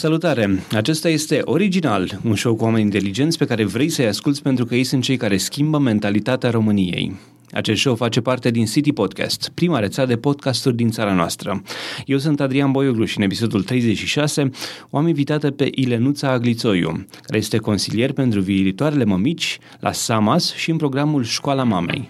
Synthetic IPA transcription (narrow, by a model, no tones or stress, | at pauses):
səlut̪aɾe̞at͡ʃe̞st̪aje̞st̪e̞ʔo̞ɾid͡ʒinalunʃo̞wkuame̞nʲint̪e̞lid͡ʒe̞nt̪sʲpe̞kaɾe̞vɾe̞jsəjaskult̪sʲpe̞nt̪ɾukəje̞jsunt̪̚t͡ʃejkaɾe̞skʲimbəme̞nt̪alit̪at̪eaɾo̞mɨnijḛj | a̰t͡ʃest̪ʃo̞wfat͡ʃe̞part̪e̞d̪insit̪ipo̞d̪̚ka̰st̪pɾimaɾe̞t̪sad̪e̞po̞d̪̚kast̪urʲd̪int̪saɾanoa̰st̪ɾə̰je̞wsunt̪ad̪ɾianbo̞joɡluʃɨnepiso̞d̪ult̪ɾe̞jze̞t͡ʃʃiʃase̞oaminvit̪at̪əpe̞ʔile̞nut̪saːɡlit̪so̞jṵkaɾeje̞st̪e̞ko̞nsilije̞rpe̞nt̪ɾuviːit̪oaɾe̞le̞məmit͡ʃʲ | lʔa̰samasʃiɨnpɾo̞ɡɾamulʃkoalamame̞̰j